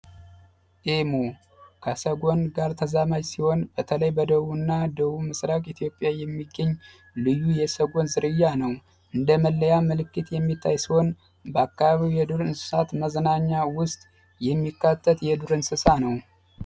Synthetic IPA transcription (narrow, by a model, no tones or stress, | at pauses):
ʔemu | kʰəsəɡo̞nɡaɾt̪ʰəzamad͡ʒsiho̞nbət̪ʰələjbəd̪əβuɨnːad̪əβumɨsɾakʼit̪ʰjo̞pʼːjajɛmːiɡːəɲː | lɨjːujɛsəɡo̞nzɨɾɨjːanəw | ʔɨnd̪əməlːəjaməlɨkːɨt̪jɛmːit̪ʰːajsiho̞n | bəakːaβaβiwjɛd̪uɾɨnsɨ̥sat̪məzənaɲːawʊst̪ʼ | jɛmːikːat̪ʰːət̪jɛd̪uɾɨnsɨsanəw